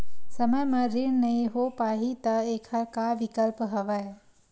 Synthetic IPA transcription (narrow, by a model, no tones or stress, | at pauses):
sɐməjmãɾiɳnɐĩɦopaːɦit̪ɐeːkʰɐɾkaʋɪkəlpɦɐʋae